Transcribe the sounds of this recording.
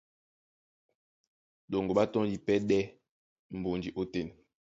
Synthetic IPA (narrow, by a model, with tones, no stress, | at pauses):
ɗo˨ŋɡo˨ɓa˦tɔ̃˦li˨pɛ˦ɗɛ˦ | m̩˨bo˨nd͡ʒi˨ʔo˦te˨n